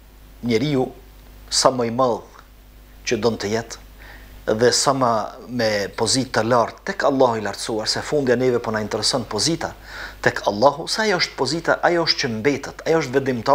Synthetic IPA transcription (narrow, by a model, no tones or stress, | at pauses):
ɲɛɾiu | samaimað | t͡ɕəd̪ɔnt̪əjɛt̪ | ðɛsamamɛpɔzit̪ːəlaɾt̪ːɛkalˠːɑhuilaɾt̪suaɾsɛfund̪janɛvɛpɔnaint̪ɛɾɛsɔnpɔzit̪a | t̪ɛkʰalˠːɑɦusɛajɔʃt̪̚pɔzit̪aʔajɔɔʃt̪̚cəmbɛt̪at̪ʰajɔɔʃt̪vɛnd̪imt̪a